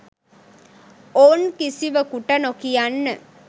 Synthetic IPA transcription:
oːnkisiʋəkuʈɐnokijanːə

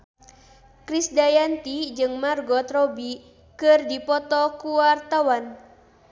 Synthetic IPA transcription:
kɾisdajant̪id͡ʒɨŋmarɡɔt̪rɔbi | kɨrdipɔt̪ɔkuart̪awan

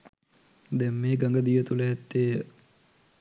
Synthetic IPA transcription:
d̪ɛmːeːɡaŋɡəd̪ijət̪uləɦɛt̪ːeː

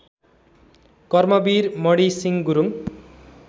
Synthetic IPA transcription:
kʌrmʌbiɾmʌɽisiŋɡuɾuŋ

